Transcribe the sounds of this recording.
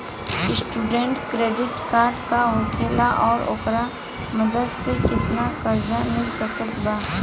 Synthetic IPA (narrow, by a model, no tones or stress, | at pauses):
sʈuːɖẽɳʈkɾeːɖɪʈkaːɾɖkaɦõːkʰeːlaʔɔːɾo̰ːkɾa | mɐd̪əd̪sekɪt̪nakəɾd͡ʒanɪsəkət̪baː